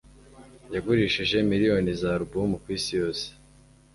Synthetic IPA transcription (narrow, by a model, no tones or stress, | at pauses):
jaɡuɾiʃiʒe̞miɾijo̞nizaɾubumukwiːsijo̞ːse̥